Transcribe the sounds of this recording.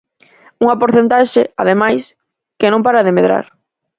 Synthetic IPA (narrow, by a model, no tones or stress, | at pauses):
uŋapoɾθent̪aʃeað̞emajs | kɪnõmpaɾaðemeðɾa̰ɾ